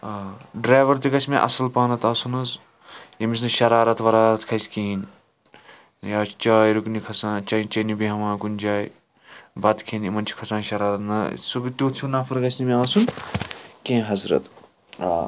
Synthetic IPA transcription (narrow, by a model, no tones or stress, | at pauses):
aːɖɾaːjʋɐɾt̪̬iɡɐsmẽʔɐ̰sɐlpaːnɐt̪aːsunɐz | jɐmis̬nɐʃɐɾaːɾɐt̪ʋɐɾaːɾɐt̪kʰɐskiːn | jaːt͡ʃʰt͡ʃaːjɾuknikʰɐsãːnt͡ʃɐt͡ʃɐnibiɦɐmãːkunʲd͡ʒaːj | bɐt̪kʰeːnimɐnt͡ʃʰi̥kʰɐsãːnʃɐɾaːɾɐt̪nɐsuɡt̪oːt̪ʰunaːfʰɐɾɡɐsnimẽaːsun | kẽːɦɐzɾɐ̰t̪ | a̰ː